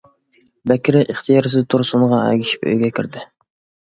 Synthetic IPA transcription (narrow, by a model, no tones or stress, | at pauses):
bækʲʰɪɾɪʔiχt̪ʰijɑɾs̬t̪ʰuɾsʊnʁɑɛ̰ɡʲiʃi̥pø̰jɡʲɛkʲʰiɾd̪ɪ